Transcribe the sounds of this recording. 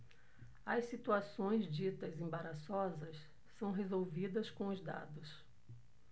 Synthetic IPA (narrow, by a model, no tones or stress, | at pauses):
ɐssit̪uasõj̃zd͡ʒit̪ɐzẽbaɾasɔzɐs | sɐ̃w̃ɦezowvid̪ɐskõʊzd̪a̰d̪ʊs